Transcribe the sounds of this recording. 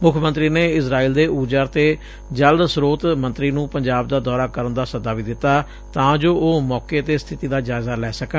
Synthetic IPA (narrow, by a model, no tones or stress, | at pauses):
mʊkʰːmənt̪ɾiːneːɪsɾaːiːld̪eːuːd͡ʒəɾt̪eː | d͡ʒəld̪sɾoːt̪mə̃nt̪ɾiːnũːpəɲd͡ʒaːb̚d̪aːd̪ɔːɾaːkəɾənd̪aːsəd̪aːʋiːd̪ɪt̪ːaː | t̪ãːd͡ʒoːʔoːmɔːkeːət̪eːst̪ʰɪt̪iːd̪aːd͡ʒaːɪzaːlɛːsəkə